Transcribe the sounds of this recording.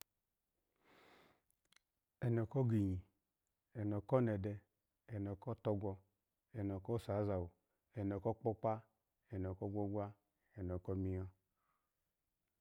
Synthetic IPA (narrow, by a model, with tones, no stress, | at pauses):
ɛ˨nɔ˨kɔ˦ɡi˨ɲi˨ | ɛ˨n˨ɔ˨kɔ˦nɛ˨dɛ˧ | ɛ˨nɔ˨kɔ˦tɔ˧ɡʷɔ˧ | ɛ˨nɔ˨kɔ˦sa˨˦za˨wu˨ | ɛ˨nɔ˨kɔ˦k͡pɔ˦k͡pa˦ | ɛ˨nɔ˨kɔ˦ɡʷɔ˦ɡʷa˦ | ɛ˨n˨ɔ˨kɔ˦mi˦jɔ˦